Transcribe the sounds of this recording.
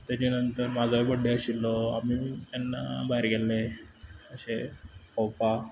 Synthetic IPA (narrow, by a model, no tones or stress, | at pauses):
t̪at͡ɕinənt̪əɾmad͡zaibəɖːeəɕilːoamit̪janːa̰baɦiɾɡelːeəɕekɔwpa